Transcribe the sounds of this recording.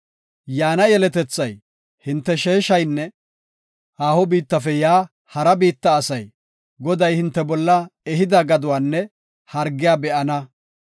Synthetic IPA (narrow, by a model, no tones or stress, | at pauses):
jaːnɐjɛlɛt̪ɛt͡sːɐj | hɪnt̪ːɛʃeːʃɐjnːɛ | ʔaːhɔbiːt̪ːɐfɛjaː | hɐɾɐbiːt̪ːɐːsɐj | ɡɔd̪ɐjhɪnt̪ːɛbɔlːɐɛɦɪd̪ɐɡɐd̪ʊwaːnːɛ | hɐɾɡɪjaːbɛʔɐnɐ